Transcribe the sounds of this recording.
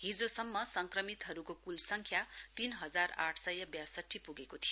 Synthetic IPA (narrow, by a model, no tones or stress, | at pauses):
ɦid͡zosʌmːʌsʌŋkrʌmit̪ɦʌɾukokulsʌŋkʰjat̪inɦʌd͡zara̰ʈʰsʌjʌbjasʌʈʰːipuɡekot̪ʰijo